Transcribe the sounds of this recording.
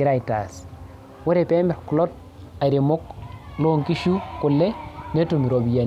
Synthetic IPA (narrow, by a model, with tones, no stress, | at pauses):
i˦ɾa˦˨jta̰˨s | wo˦ɾe˨pe˦mɛ˨ɾku˨lo˦t̚ | a˨ɾi˨mʊ˦klo˦ŋki˦ʃu˦kʊ˨lːe˦ne˦to˨mi˨ɾo˨bi˨ja˨n